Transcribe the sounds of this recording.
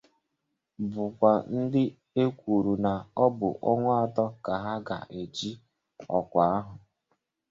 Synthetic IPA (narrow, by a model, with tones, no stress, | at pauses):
bʊ˨kʷa˨n̩˦dɪ˦ | e˦kʷu˨ɾu˨na˨ɔ˦bʊ̰˨ʔɔ˦ŋʷʊ˦a˨tɔ˦ka˨ɦa˦ɡa̰˨ʔe˨d͡ʒi˦ | ɔ̰˨kʷa˨a˦ɦʊ˨